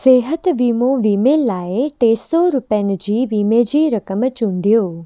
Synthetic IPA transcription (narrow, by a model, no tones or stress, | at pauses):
seːɦət̪ʋiːmoʋiːmeːlaːet̪eːsɔɾʊpənd͡ʒiːʋiːmed͡ʒiːɾəkəmt͡ʃũɳɖ̪ijoː